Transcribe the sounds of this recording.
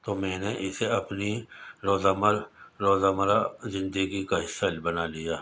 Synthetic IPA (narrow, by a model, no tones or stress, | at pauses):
t̪oːmɛ̃ːneʔɪseɐpniɾoːzaːməɾɾoːzaːmɾazɪ̃nd̪əɡikaɦɪsːalbɐnalijaː